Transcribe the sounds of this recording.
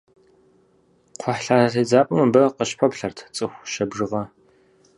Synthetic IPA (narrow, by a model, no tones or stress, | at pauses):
qʷʰɔħɬaːɬid͡zaːpʼʊmɐbɐqəɕpʷʰɔpɬɐrtʰt͡sʼɨxʷʃɐbʐɨʁɐ